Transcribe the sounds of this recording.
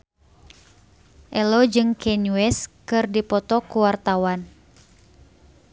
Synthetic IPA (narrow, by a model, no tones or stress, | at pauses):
ʔɛlɔd͡ʒɨŋkɛnuɛskɨrdipɔt̪ɔkuwart̪awan